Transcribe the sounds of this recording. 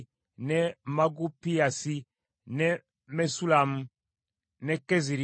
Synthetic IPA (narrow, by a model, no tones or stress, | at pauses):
nɛmaɡupiasi | nɛ | mɛsulamu | nɛkɛziɾi